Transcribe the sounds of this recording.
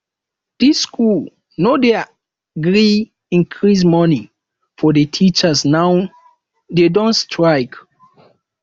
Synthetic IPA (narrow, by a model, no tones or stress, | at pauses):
d̥iskʰul | nodɛ | ɡɹi | ĩnkʰɹis̬mɔni | fɔdetʰit͡ʃəsnaw | dedɔ̃ntstʰɹaɪk